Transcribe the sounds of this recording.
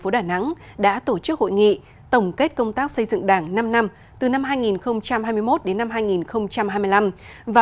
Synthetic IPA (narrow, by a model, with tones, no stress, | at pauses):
fo˨˦ɗaː˧˩na̰˧˥ŋ | ɗa̰ː˧˥t̪o˧˩t͡ɕɨ˦˥k̚ho̰˧˨jŋḭ˧˨ | t̪ə˧˩wŋ͡mke˦˥t̚kə˧wŋ͡mt̪aː˦˥k̚sə˧jzɨ̰˧˨ŋɗaː˧˩ŋna˧mna˧m | t̪ɨ˨˩na˧mɦaː˧jŋi˨˩nxə˧wŋ͡mt͡ɕa˧mhaː˧jmɨ˧jmo˦˥t̚ɗe˨˦nːa˧mhɦaː˧jŋi˨˩nxə˧wŋ͡mt͡ɕa˧mhaː˧jmɨ˧jla˧mvaː˨